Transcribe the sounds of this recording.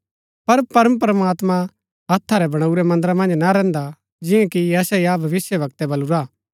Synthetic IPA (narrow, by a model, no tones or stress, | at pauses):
pɐɾpɐɾəmpɾɐmaːt̪mã | ɐt̪ʰːaɾɛbɐɽ̃auɾɛmɐ̃nd̪əɾamɐ̃nd͡ʒnaɾɛ̃ːnd̪a | d͡ʒɪ̃jɛ̃kiɛːsɛiabʱɐʋɪsjəʋɐkt̪ɛbɐluɾaː